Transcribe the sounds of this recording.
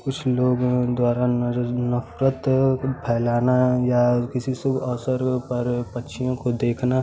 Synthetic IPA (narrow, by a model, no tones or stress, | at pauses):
kʊt͡ʃʰloːɡd̪waːɾanɐfɾət̪pʰɛːlaːnajakɪsisʊbʱɔːsəɾpɐɾpɐtːʃʰijõkod̪eːkʰna